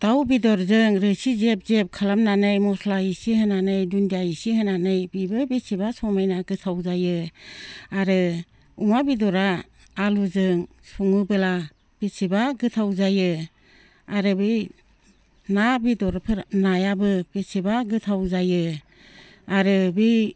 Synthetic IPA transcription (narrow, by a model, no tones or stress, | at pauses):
d̥awbidɔɾzɯŋɾɯsizep̚zep̚kʰalamnanɯjmɔslaisihɯnanɯjdundijaisihɯnanɯjbibɯbitsibasɔmajnaɡɯtʰawzajɯ | aɾɯ | umabidɔɾaː | luzɯŋ | suŋɯbɯla | b̥isibaɡɯtʰawzajɯ | aɾɯbɯj | nabidɔɾpʰɯɾnajabɯbisibaɡɯtʰawzajɯ | aɾɯbi